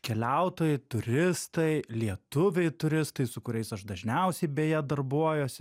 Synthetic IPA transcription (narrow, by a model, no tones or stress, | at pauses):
kʲɛlʲæʊt̪oːjɛt̪ʊɾʲɪst̪ɐɪlʲiɛt̪ʊʋʲɛɪt̪ʊɾʲɪst̪ɐɪsʊkʊɾʲɛɪsɐʃd̪ɐʒʲnʲɛʊsʲɛɪbʲeːjɛd̪ɐrbuɔjoːsʲɪ